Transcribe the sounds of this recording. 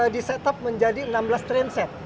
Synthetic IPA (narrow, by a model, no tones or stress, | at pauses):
disɛt̪ɔp̚məɲd͡ʒadiənamblast̪ɾɛnsɛt̪̚